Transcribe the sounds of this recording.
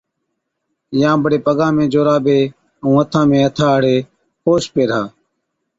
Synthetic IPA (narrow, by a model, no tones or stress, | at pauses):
jãːbəɽeːpəɠãːmẽːd͡ʒoːɾaːbʱeː | ũːət̪ʰãːmẽːət̪ʰaːəɽ̤eː | xoːʃpeːɾaː